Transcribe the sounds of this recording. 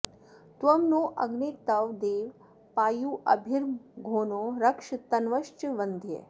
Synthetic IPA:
t̪ʋɐmnoːʔɐɡnit̪ɐʋd̪eːʋ | paːjuːʔɐbʱiɾmɡʱoːnoːɾɐkʂt̪ɐnʋɐʃt͡ʃʋɐnd̪ʱjḛ

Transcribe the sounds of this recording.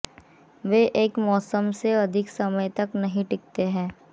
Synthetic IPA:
ʋeːʔeːkmɔːsəmseɐd̪ʱɪksɐməjt̪ɐknɐɦĩʈɪk̚t̪eɦɛ̃ː

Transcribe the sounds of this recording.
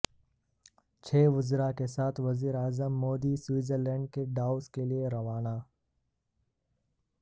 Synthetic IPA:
t͡ʃʰeːʋʊzɾakesaːt̪ʰʋɐziːɾaːzəmːoːd̪iswiːzəɾlɛ̃ːɳɖ̚keɖaːʊskelieɾɐʋaːnaː

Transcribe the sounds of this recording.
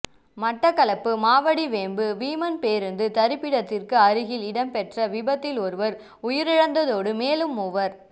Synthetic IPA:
mɐʈːɐkːɐlɐpːɯmaːʋɐɽiʋeːmbɯʋiːmɐnpeːɾɯnd̪ɯt̪ɐɾɯpːɪɽɐt̪ːɪrkɯɐɾɯɣɪlɪɽɐmpɛʈrɐʋɪbɐt̪ːɪlɔɾɯʋɐɾ | ʊjɪɾɪɻɐnd̪ɐðoːɽɯmeːlɯmʊʋɐɾ

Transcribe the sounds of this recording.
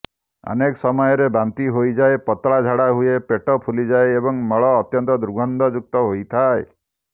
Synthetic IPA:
a̰nekɔsɔmɔjɔɾebant̪iɦojd͡ʒaepɔt̪ɭad͡ʒʱaɽaɦuepeʈɔpʰulid͡ʒaeebɔŋmɔɭɔːt̪jɔnt̪ɔd̪ɾuɡʱɔnd̪ɔd͡ʒuk̚t̪ɔɦojt̪ʰae

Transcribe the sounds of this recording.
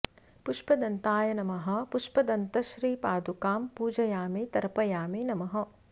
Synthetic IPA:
puʃpɐd̪ɐnt̪aːjɐnɐmɐɦɐ̆puʃpɐd̪ɐnt̪ɐʃɾiːpaːd̪ukaːmpuːd͡ʒɐjaːmeːt̪ɐɾɐpɐjaːmenɐmɐɦɐ̆

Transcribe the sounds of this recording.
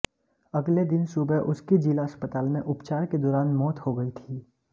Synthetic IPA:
ɐɡled̪ɪnsuːbəʔʊskid͡ʒilaəspət̪aːlmẽʔʊpt͡ʃaːɾked̪ɔːɾaːnmɔːt̪hoɡɐit̪ʰiː

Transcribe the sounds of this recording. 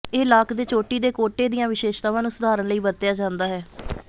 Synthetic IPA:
eːlaːkd̪eːt͡ʃoːʈiːd̪eːkoːʈeːd̪ijãːʋɪʃeːʃt̪ãːʋãːnũːsʊd̪aːɾənləiːbəɾt̪ːjaːd͡ʒãːnd̪aːɦɛː

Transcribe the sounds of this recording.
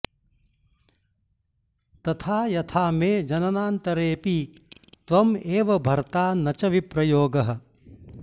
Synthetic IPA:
t̪ɐt̪ʰaːjɐt̪ʰaːmeːd͡ʒɐnɐnaːnt̪ɐɾeːpi | t̪ʋɐmeːʋɐbʱɐɾt̪aːnɐt͡ʃɐʋipɾɐjoːɡɐɦɐ̆

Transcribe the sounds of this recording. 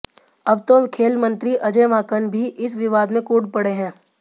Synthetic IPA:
ɐbt̪okʰeːlmə̃nt̪ɾiʔɐd͡ʒeːʋaːkənbʱiʔɪsʋɪʋaːd̪mẽkuːɖpɐɽeɦɛ̃ː

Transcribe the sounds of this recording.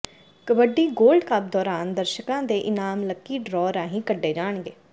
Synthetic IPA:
kəbəɖiːɡoːlɖkap̚d̪ɔːɾaːnd̪əɾʃəkãːd̪eːʔɪnaːmləkːiːɖɾɔːɾãːɦĩːkəɖːeːd͡ʒaːɳɡeː

